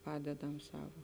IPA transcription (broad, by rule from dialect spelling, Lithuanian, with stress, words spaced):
ˈpɑːdʲɛdɐm ˈsɑːʋoː